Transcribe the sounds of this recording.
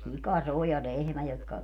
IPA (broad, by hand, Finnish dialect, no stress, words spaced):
sikɑ se o jɑ lehmæ jotkɑ